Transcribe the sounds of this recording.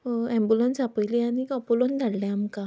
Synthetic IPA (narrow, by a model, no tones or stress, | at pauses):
ɛmbulənsapəjlianiɔpolond̪ʱaɽlɛamka